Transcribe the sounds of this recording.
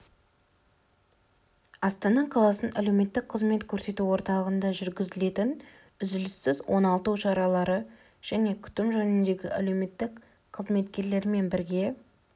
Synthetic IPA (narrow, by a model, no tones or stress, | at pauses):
ɑst̪ɑnɑqʰɑlˠɑsənʔæle̞wme̞t̪ːɪk̚qʰəzme̞t̪kʲʰɵɾse̞t̪uwo̞ɾt̪ɑlˠəʁənd̪ɑʒʏɾɡʲɪzɪle̞t̪ɪn | ʏzɪlɪsːɪzwo̞nɑlˠt̪uʃɑɾɑlˠɑɾə | ʒ̥æne̞kʲʰʏ̥t̪ɪmʒɵnɪnd̪e̞ɡʲɪʔæle̞wme̞t̪ːɪk | qʰəzme̞t̪kʲe̞ɾle̞ɾme̞nbɪɾɡʲe̞